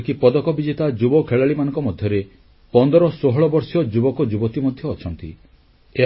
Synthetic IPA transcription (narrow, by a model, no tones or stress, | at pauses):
kipɔd̪ɔkɔbid͡ʒet̪ad͡ʒubɔkʰeɭaɭimanɔŋkɔmɔd̪ʱjɔɾe | pɔnd̪ɔɾɔsoɦɔɭɔbɔɾsiɔd͡ʒubɔkɔd͡ʒubɔt̪imɔd̪ʱjɔːt͡ʃʰɔnt̪ḭ | e